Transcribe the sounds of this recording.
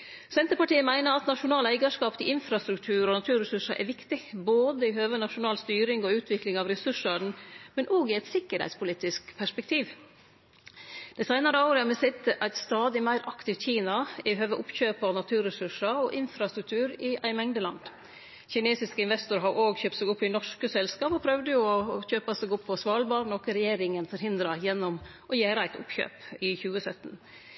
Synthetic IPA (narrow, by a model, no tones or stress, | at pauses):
sɛnt̪əɾpɑʈiːəmæɪnəɾɑt̪nɑʂʊnɑːlæɪɡɑʂkɑːpt̪ɪʔɪnfɾɑst̪ɾʉkt̪ʰʉːɾɔnɑt̪ʰʉːɾɛsʉʂəʔɛ̰ʋɪkt̪ɪboːd̪əɪhøːʋənɑʂʊnɑːlst̪yːɾɪŋɔʉːt̪ʰʋɪklɪŋɑʋɾɛsʉʂɑnmɛnʔoːɡɪɛɪt̪sɪkːəɾhæ̰ɪt̪spʊliːt̪ɪskpʰæʂpɛk̚t̪ʰiːʋ | d̪̥ɛsæɪnɑɾəɑʊɾəɑmɛsɪt̪əʔæɪt̪st̪ɑːd̪ɪmæɪɾʔɑkt̪ɪʋt̪çiːnɑɪɦøːʋəʔʊpçøːpɔnɑt̪ʰʉːɾəsʉʂɑɔʔɪnfɾɑst̪ɾʉk̚t̪ʰʉːɾɪʔæɪmɛŋd̪əlɑ̰nd̪ | çɪneːsɪskəɪnʋɛst̪ʊɾɦɑɾʔoːɡçøːpt̪sæɡʊpʰːɪnɔʂkəsɛlskɑːpɔpʰɾœʋd̪əjʊɔçøːpɑsɛɡʊpʰːɔsʋɑːlbɑːɾnɔkəɾɛjeːɾɪŋənfɔɾhɪnd̪ɾɑjɛnːɔm | ʔɔjæːɾəæɪt̪ʊ̰pçø̰ːpɪçʉːəsœt̪ːn